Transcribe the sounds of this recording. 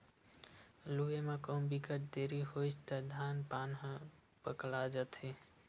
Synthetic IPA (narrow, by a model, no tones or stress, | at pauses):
luemekənbikəʈ̚d̪eɾiɦot͡ʃʰt̪əd̪ʱanpanɦə̃ | pəklad͡ʒət̪ʰi